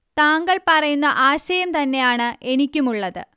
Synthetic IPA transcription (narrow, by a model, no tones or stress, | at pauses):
t̪aːŋɡɐɭpɐrɐjunːɐʔaːɕɐjɐmt̪ɐnːe̞jaːɳɨʔe̞nikʲːumuɭːɐðɨ̰